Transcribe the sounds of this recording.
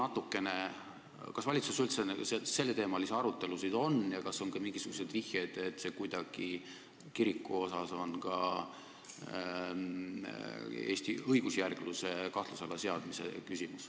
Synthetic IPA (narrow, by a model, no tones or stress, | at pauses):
nɑt̪ːukːˑe̞ne̞ | kɑsvɑlʲit̪susylt̪senesese̞lːe̞t̪e̞ːmɑliseɑɾut̪ːˑe̞lusid̪̥o̞njɑkɑso̞nɡɑmiŋɡisuɡ̥use̞d̪̥vihjed̪̥e̞t̪ːse̞kujd̪̥ɑɡ̥i | kiɾikːˑuo̞sɑso̞nkɑ | e̞ːsʲt̪iɤjɡ̥usjærɡ̥luse̞kɑht̪lusɑlːɑse̞ɑd̪̥mise̞̰kysʲimus